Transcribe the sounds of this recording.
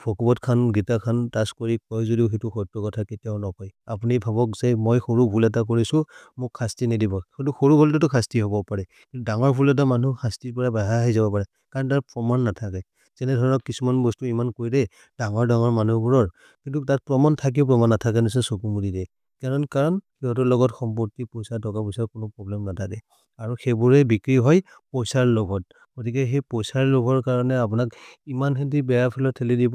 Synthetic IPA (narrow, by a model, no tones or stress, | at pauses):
bʰʱɔkubɔtkʰanɡitakʰantaskoɹikɔjzodiʊxetuxɔjtɹɔkɔtʰaketijaʊnɔkɔjapunibʱabɔkzɛmojxoɹubʱulɛt̬ak̬oɹisʊ̃mʊkʰːastinidibɔxetuxoɹubʱɔlt̬ɛtʊkʰastiɦobɔpaɹɛkintudaŋɔɹbʱulɛt̬amanuxastipɔɹabaɦaɦajzabɔpaɹɛ | kaɹɔntaɹpɹɔmanːatʰakɛ | z̥ɛnɛdʱɔɹɔnɔkːisumanbɔstuimankoɹjdɛ | daŋɔɹdaŋɔɹmanubuɹɔɹ | kintutat̚pɹɔmɔntʰak̬iʊp̬ɹɔmanːatʰak̬ɛnis̬ɛsokumudidɛ | kaɹɔnkaɹɔnxiɦɔt̬ulɔɡɔtxɔmpɔɹtipɔjsaɹtʰɔkapɔsakʊnʊpɹɔblɛmnatʰakɛ | aɹuxebuɹɛbikɹiɦɔj | pɔjsaɹlɔɡʱɔt̚ | ɡ̥otikɛxɛjpɔjsaɹlʊɡʱɔɹkaɹɔnɛap̬ʊnakimanhɛntibɛjapʰɛlɔtʰːɛlidibɔ